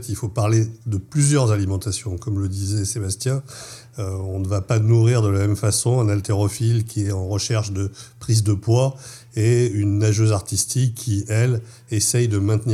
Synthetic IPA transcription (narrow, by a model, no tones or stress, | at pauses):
t̪ilfopaʁled̪əplyzjœʁzalimɑ̃t̪asjɔ̃kɔmləd̪izɛsebast̪jɛ̃ | ɔ̃nəvapanuʁiʁd̪əlamɛmfasɔ̃ɛ̃nalt̪eʁɔfilkʲʰiɛtɑ̃ʁəʃɛʁʃd̪əpχizd̪əpwa | eynːaʒøzaʁt̪ist̪ʰikʰːiɛl | esɛjd̪əmɛ̃t̪ni